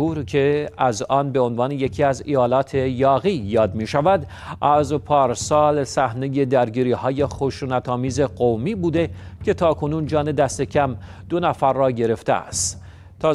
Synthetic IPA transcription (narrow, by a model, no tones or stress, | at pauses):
uːɾcʰe̞æzɒːnbe̞o̞nvɑːne̞je̞cʰiːæzijɒːlɒːt̪ʰe̞jɒːɣiːjɒːd̪miːʃævæd̪ | ʔæzpʰɒːɾsɒːlsæhne̞je̞d̪æɾɟiːɾiːhɒːje̞xoʃuːnæt̪ʰɒːmiːze̞ɢomiːbuːd̪e̞cʰe̞t̪ʰɒːkʰo̞nuːnd͡ʒɒːne̞d̪æst̪e̞cʰæm | d̪o̞næfæɾːɒːɟe̞ɾe̞ft̪ḛæ̰st̪ | t̪ʰːɒː